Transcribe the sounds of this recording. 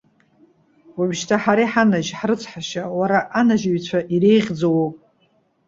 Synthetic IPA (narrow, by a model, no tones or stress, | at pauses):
wubʃtʰaħaɾiħanaʒħrɨt͡sʷʰħaʃawaɾaʔːnaʒɥt͡ɕʷʰaʔiɾe̞jʁʲd͡zowopʼ